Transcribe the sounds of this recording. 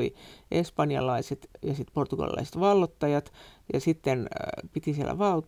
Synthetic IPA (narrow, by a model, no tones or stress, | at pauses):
iʔespɑnjɑ̰lɑiset̪jɑsit̪port̪uɡ̥ɑ̰lḭlɑ̰ise̥t̪ʋɑlːot̪ːɑjɑt̪jɑ̰sit̪ːenpit̪isiæ̰lːæ̰ʋɑlt